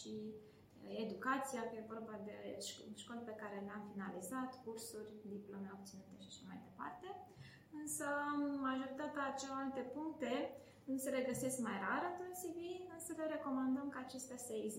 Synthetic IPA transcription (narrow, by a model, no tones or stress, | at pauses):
ʃi | e̞d̪ukat̪sijakje̞vo̞rbad̪e̞ʃʃko̞lepe̞kaɾe̞leamfinalizat̪kursurʲd̪iplo̞me̞o̞b̚t̪sinut̪e̞ʃi̥ʃamajd̪e̞pa̰rt̪e̞ | ɨnsəːaʒo̞ɾit̪at̪eat͡ʃeloalt̪e̞puŋk̚t̪e̞ | nusele̞ɡəse̞skmajɾaɾɨnt̪onsiviɨnsəle̞ɾe̞ko̞mand̪əmkəːt͡ʃe̞st̪easəeɡz